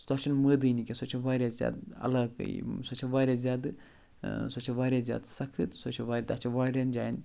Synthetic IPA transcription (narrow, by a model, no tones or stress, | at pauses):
st̪aːʃɐnməːd̪ɨjnikʲesot͡ʃʰɐʋaːɾʲjazʲja̰ːd̪ɐ̰laːkɨ̰j̰sot͡ʃʰɐʋaːɾʲjaːzʲjaːd̪ɨ | sot͡ʃʰɐʋaːɾʲjaːzja̰ːd̪sɐkʰɨt̪sot͡ʃʰɐʋaːɾʲat̪at͡ʃʰɐʋaːɾʲand͡ʒaːjin